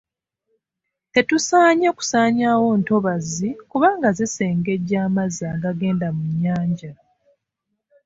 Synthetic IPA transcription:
te̞tusaːɲeku̥saːɲaːwo̞ːnto̞βazikuβaːŋɡaziseːŋɡe̞ɟaːmaziaːŋɡaɡe̞ːndamiɲaːɲɟa

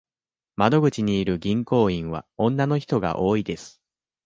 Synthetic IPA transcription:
mad̪o̞ɡɯ̟t͡ɕiɲ̟iːɾɯ̟ɡʲĩŋko̞ːĩɰ̃βa̰õ̞nːano̞çi̥t̪o̞ɡa̰ʔo̞ːid̪e̞sɨ̥

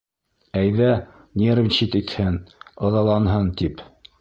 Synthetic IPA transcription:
æjðæ | nʲervʲɕit̪it̪hɘnŏðɑlˠɑnɦɤnt̪ip

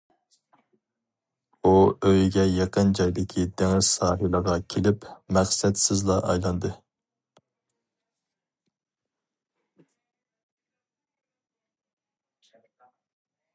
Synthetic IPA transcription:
uøjɡʲɛjɑqənd͡ʒɑjd̪ɪkʲʰid̪æŋɪzsɑːɦɨlˠəʁɑkʲʰelɪpmæχsɛt̪sɪzlˠɑʔɑ̰jlˠɑnd̪ɨ

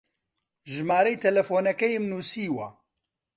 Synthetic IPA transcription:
ʒmaːɾejt̪ʰɛlɛfoːnɛkɛjmnuːsiːwɐ̰

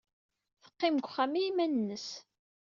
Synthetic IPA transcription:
θə̥qːɪmɡʷχæmijimænnːəs

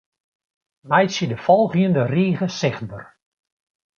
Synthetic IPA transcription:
mɛjsjədəfɔlˠɣjəndəriːɣəsɪxt̚bə̰r

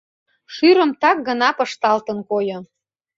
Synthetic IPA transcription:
ʃyɾə̆mt̪ɑk̚ɡənɑpɤ̆ʃt̪ɑlt̪ənkojŏ

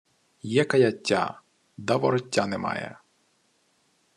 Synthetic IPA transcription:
jɛkɐjɐtʲːa̰ | d̪ɐʋɔɾɔtʲːanɛmɑ̰jɛ̰

